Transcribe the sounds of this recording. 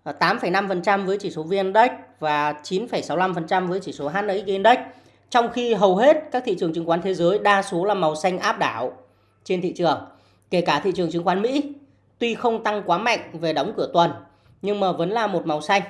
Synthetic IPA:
t̪aː˨˦mfə˧˩jna˧mfə˨˩nt͡ɕa˧mvəː˨˦jt͡ɕi˧˩so˨˦vi˧ənɗə˦˥k̟̚vaː˨˩t͡ɕi˨˦nfə˧˩jsa˨˦wla˧mfə˨˩nt͡ɕa˧mvəː˨˦jt͡ɕi˧˩so˨˦ɦaː˦˥t̚ʔə˨˧˥ɣe˧nɗə˦˥k̚ | t͡ɕɔ˧wŋ͡mxi˧ɦə˨˩wɦe˦˥t̚ka˦˥k̚t̪ʰḭ˧˨t͡ɕɨ˨˩əŋt͡ɕɨ˨˦ŋkwaː˨˦nt̪ʰe˨˦zəː˨˦jɗaː˧so˨˦laː˨˩ma˨˩wsa˧jŋ̟ʔaː˦˥p̚ɗaː˧˩w | t͡ɕe˧nt̪ʰḭ˧˨t͡ɕɨ˨˩əŋ | ke˧˩kaː˧˩t̪ʰḭ˧˨t͡ɕɨ˨˩əŋt͡ɕɨ˨˧˦ŋkwaː˨˦nmḭ˧˥ | t̪wi˧xə˧wŋ͡mt̪a˧ŋkwaː˨˦ma̰˧˨jŋ̟ve˨˩ɗə˨˦wŋ͡mkɨ˧˩ət̪wə˨˩n | ɲɨ˧ŋməː˨˩və˨˦nlaː˨˩mo˨˩t̚ma˨˩wsa˧jŋ̟

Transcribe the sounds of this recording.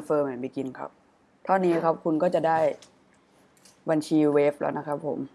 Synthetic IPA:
nfɤː˧ma˨˩˦npa˧ki˧nkʰa̰˦˥p̚ | t̪ʰɔ˥˩nːiː˦˥kʰa˦˥p̚kʰu˧nkɔː˥˩t͡ɕa˨˩daː˥˩j | ba˧nt͡ɕʰiː˧weː˦˥p̚lʔa̰˦˥wna˦˥kʰa˦˥pʰːo̰˨˩˦m

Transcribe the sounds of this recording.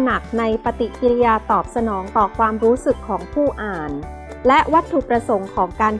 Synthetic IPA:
na˨˩k̚na˧jpa˧t̪i˨˩ki˧li˧jaː˧t̪ɔː˨˩p̚sa˧nɔː˩˦ŋt̪ɔː˨˩kʰwaː˧mɾuː˦˥sɯ˨˩kʰːɔː˩˦ŋpʰuː˥˩ʔaː˨˩n | lɛ˦˥ʔwa˦˥t̪ʰːu˨˩pɾa˧so˩˦ŋkʰɔː˩˦ŋkaː˧n

